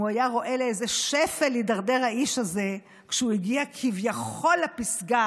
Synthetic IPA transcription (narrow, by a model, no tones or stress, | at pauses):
uajaʁo̞ʔe̞leezeʃefelːidaʁdeʁaiʃaze̞ | kʃeuiɡiakʰivjaχo̞lːapisɡa